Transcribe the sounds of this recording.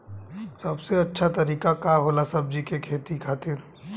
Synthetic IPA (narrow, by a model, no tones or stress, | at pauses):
sɐbseɐtːʃʰat̪ɐɾiːkakaɦoːlasɐb̚d͡ʒikekʰeːt̪ikʰaːt̪ɪɾ